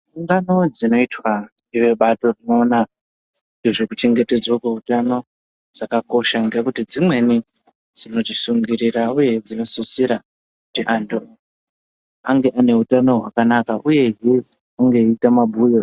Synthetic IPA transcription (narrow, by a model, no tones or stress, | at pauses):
uŋɡano̞d͡zino̞itwaniʋe̞ɓato̞rino̞ːna | ndeʐekut͡ʃe̞ŋɡe̞te̞d͡zwokeutano̞ | d͡zakako̞ʃaŋɡekutid͡zimwe̞ni | d͡zino̞ʐisuŋɡiɾirauje̞d͡zino̞sisiɾa | kutiʔando | aŋɡe̞ʔane̞utano̞ɦwa̰kanakaʔuje̞ɦe | aŋɡeiitamabʱujo